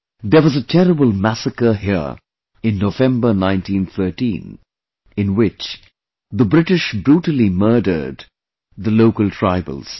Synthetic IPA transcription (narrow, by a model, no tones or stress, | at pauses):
ðə˞wʌzətʰɛɾəbəlˠmæsəkə˞ɦi | ɪ̃nːovɛ̃mbə˞nãɪ̃ntĩnθʰɜ˞ʈḭ̃n | ɪ̃nwɪt͡ʃ | ðəbɾɪʈɪʃbɾuʈəlimɜːdə̰˞d̪ | ðəloʊkəlˠtʰɹ̥aɪbə̰lˠz̥